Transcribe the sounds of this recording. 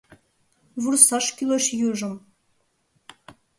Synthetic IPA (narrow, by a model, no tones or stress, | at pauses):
βursɑʃkʲilˠoʃjuʒɤ̆m